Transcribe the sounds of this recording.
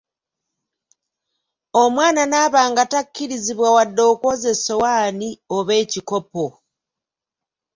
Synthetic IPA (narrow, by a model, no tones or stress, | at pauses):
omwaːnanaːβaːŋɡatakːiɾiziβwawadːo̞ːkoze̞sowaːnioβe̞ːciko̞po